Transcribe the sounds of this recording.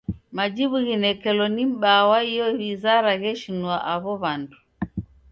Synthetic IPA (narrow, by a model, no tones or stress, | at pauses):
mad͡ʒiβuɣinɛkɛlɔnim̩ɓawaijɔβizaɾaɣɛʃinuaʔaβɔβandu